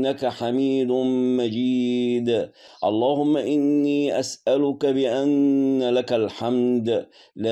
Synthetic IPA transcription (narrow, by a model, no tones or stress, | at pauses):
akaħamiːd̪mad͡ʒiːd̪ | ʔɑlˤːɑːhʊmːaʔɪnːiːʔasʔalʊkabɪʔanːalakalħamd̪ | la